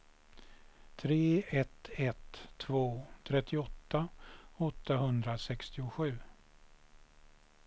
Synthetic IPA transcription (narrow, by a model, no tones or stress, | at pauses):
t̪ʰɾeːɛt̪ɛt̪ʰːvoːt̪ʰɾɛt̪ʰːɪɔt̪ːaɔt̪ːaɦɵnd̪ɾasɛkst̪ɪʊɧʉ̟ː